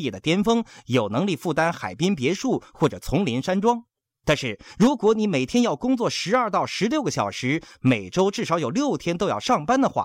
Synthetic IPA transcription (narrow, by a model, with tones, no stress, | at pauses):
ɛ˥˩d̪ə˩t̪jɛ˥nfɤ˥ŋjo˨˩ʊnɤ˧˥ŋli˥˧fu˥˩t̪a˥nxa̰˨˩ɪpi˥ŋp̬jɛ˧˥ʂu˥˩xwɔ˥˩ʈ͡ʂɤ˨˩t͡sʰʊ˧˥ŋli˧˥nʂa˥nʈ͡ʂwɑ˥ŋ | t̪a˥˧nʂɻ̩˥˩ɻu˧˥kwɔ˧˥ni˧˥me˨˩ɪt̪ʰjɛ˥njɑ˥˩ʊkʊ˥ŋt͡swɔ˥˩ʂɻ̩˧˥ɐ˞˥˧t̪ɑ˥˩ʊʂɻ̩˧˥ljo˥ʊɡə˩ɕjɑ˨˩ʊʂɻ̩˧˥me˨˩ɪʈ͡ʂo˥ʊʈ͡ʂɻ̩˥˩ʂɑ˧˥ʊjo˨˩ʊljo˥˩ʊt̪ʰjɛ˥nt̪o˥ʊjɑ̰˥˧ʊʂɑ˥˩ŋpa˥nd̪ə˨xwa̰˥˩